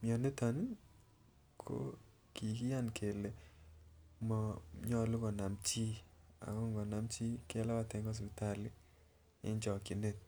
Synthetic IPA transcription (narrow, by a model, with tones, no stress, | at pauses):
mjɔ˨ne˦ta˨nɪ˦ | kʰo̰˦ | ki˨ki˦ja˦nkʰe˨le˨ | mɔ˨ɲɔ˦lu˦kɔ˨na˨mt͡ʃi˦a̰˨kɔ˦ŋɡɔ˨na˨mt͡ʃi˦ke˦la˦wa˨tɛ˨ŋɡɔ˦s̬i˨ta˦lɪ˦ | ɪ̰˦ɲt͡ʃɔ˨ki˨ne˦˨t̚